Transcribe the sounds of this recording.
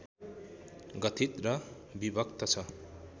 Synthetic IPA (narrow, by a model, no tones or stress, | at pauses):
ɡʌt̪ʰit̪̚ɾʌ | bibʱʌk̚t̪ʌt͡sʰʌ